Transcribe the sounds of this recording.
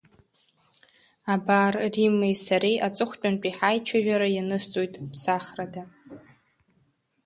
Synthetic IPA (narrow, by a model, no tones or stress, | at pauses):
abarrimejsaɾejʔat͡sʼɨχʷt͡pʼanpʼiħajt͡ʃʷʰaʒᶣaɾajanɨstʼojtʼpʰsaχrada